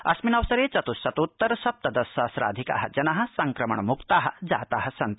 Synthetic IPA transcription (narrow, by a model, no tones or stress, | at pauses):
ɐ̰sminɐʋsɐɾeːt͡ʃɐt̪usɐt̪ut̪ːɐɾɐʃɐp̚t̪ɐd̪ɐsɐːsɾa̰ːd̪ʱika̰ːɦɐ̰d͡ʒɐnɐɦɐ̆sɐŋkɾɐmɐ̰ɳɐmukt̪aːɦɐ̆d͡za̰ːt̪aːɦɐ̆sɐnt̪